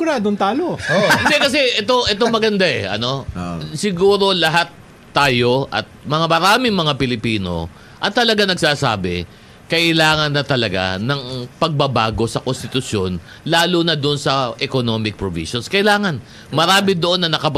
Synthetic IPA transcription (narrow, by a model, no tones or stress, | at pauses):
ʊɾaːd̪oŋt̪aːlood̪ɛkɐsɛʔɛt̪oʔɛt̪o̞mɐɡɐnd̪aʔɛ̰ʔɐ̰no̞sɪɡuːɾo̞lɐɦat̪ː | aːjo̞ʔɐ̰t̪̚mɐŋamɐɾaːmɪŋmɐŋapɪlɪpiːno̞̰ | ʔɐt̪ɐlɐɡanɐɡ̚saːsa̰ːbɪ̰ | kɐʔɪlaːŋɐnːɐt̪ɐlɐɡa̰nɐŋpɐɡ̚bɐbaːɡo̞sɐkonst̪ɪt̪ʊsjo̞n | laːlʊnɐd̪ʊnsɐʔɛkonomɪk̚pɹovḭʃonskɐʔɪlaːŋɐn | mɐɾaːmɪd̪oʔo̞nːɐnɐkɐp